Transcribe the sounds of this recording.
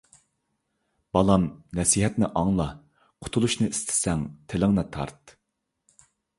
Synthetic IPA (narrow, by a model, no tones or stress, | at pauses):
b̥ɑlˠɑmnɛsiːɦɛt̪nɪʔɑŋlˠɑ | qʰʊ̥t̪ʰulˠuʃnɨist̪ʰɪ̥sɛŋt̪ʰelɪŋnɨt̪ʰɑ̰ɾt̪